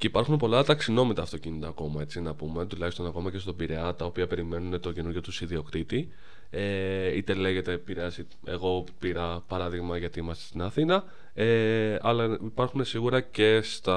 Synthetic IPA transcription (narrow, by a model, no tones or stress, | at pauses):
ceipɐɾxunpo̞lɐt̪ɐksino̞mit̪ɐːft̪o̞cinit̪ɐːko̞mɐe̞t͡sinɐpume̞t̪ulɐçist̪o̞nɐko̞mɐce̞st̪o̞biɾe̞ɐt̪ɐopiɐpe̞ɾime̞nunet̪o̞ce̞nuɾʝo̞t̪usiðio̞kt̪it̪i | eit̪e̞le̞ʝe̞t̪e̞piɾeɐsi | e̞̰ɣo̞piɾɐpɐɾɐðiɣmɐʝɐt̪iimɐst̪est̪inɐθinɐ | eɐlɐipɐɾxune̞siɣuɾɐce̞st̪ɐ